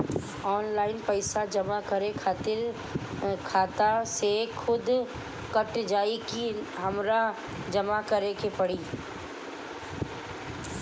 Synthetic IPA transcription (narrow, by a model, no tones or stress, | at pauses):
ɔːnlaːɪnpɐɪsad͡ʒɐmakɐɾekʰaːt̪ɪɾ | kʰaːt̪asexʰʊd̪ | kɐʈd͡ʒaːikiɦɐmɾa | d͡ʒɐmakɐɾekepɐɽiː